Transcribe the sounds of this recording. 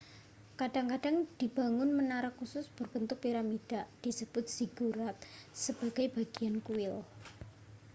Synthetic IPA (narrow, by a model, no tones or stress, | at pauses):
kaɖ̥aŋkaɖ̥aŋd̪̥i̤b̥a̤ŋʊnmənaɾəkːusʊsb̥ərb̥ənt̪ʊk̚piɾamid̥aʔd̪̥i̤səb̥ʊt̪̚siɡ̥uɾat̪̚səb̥aɡ̥a̤jb̥aɡ̥iankuɪl